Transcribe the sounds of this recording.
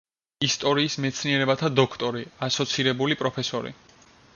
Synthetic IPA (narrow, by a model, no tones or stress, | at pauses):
ist̪ʼɔɾiːsmɛt̪sʰniɛɾɛbat̪ʰad̪ɔkʰt̪ʼɔɾiasɔt̪sʰiɾɛbulipʼɾɔpʰɛsɔɾḭ